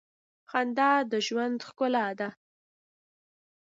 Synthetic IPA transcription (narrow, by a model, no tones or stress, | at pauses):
xand̪ɑd̪əʒwand̪xkʊlaːd̪a